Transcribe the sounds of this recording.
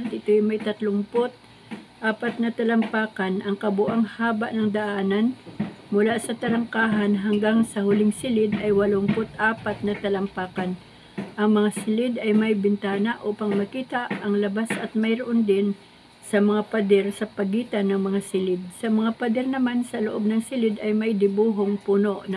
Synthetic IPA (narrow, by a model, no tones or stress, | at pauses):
t̪ʔɪt̪ojmɐjt̪ɐt̪lʊŋpot̪̚ | ʔaːpɐt̪̚nɐt̪ɐlɐmpaːkɐnʔɐŋkɐbʊʔaŋhaːbɐʔnɐŋd̪ɐʔaːnɐnmʊlasɐt̪ɐɾɐŋkaːɦɐnɦɐŋɡaŋsɐhʊlɪŋsɪlɪd̪ʔɐjwɐlompot̪ʔaːpɐt̪̚nɐt̪ɐlɐmpaːkan | ʔɐŋmɐŋasɪlɪd̪ɐjmɐjbɪnt̪aːnɐʔopɐŋmɐkiːt̪aʔɐŋlɐbasʔɐt̪̚mɐjɾoʔond̪ɪn | sɐmɐŋapɐd̪ɛɾsɐpɐɡiːt̪ɐnːɐŋmɐŋasɪlɪd̪̚sɐmɐŋapɐd̪ɛɾnɐmansɐloʔo̞b̚nɐŋsɪlɪd̪ʔɐjmɐjd̪ɪbuːɦoŋpuːno̞ʔnɐ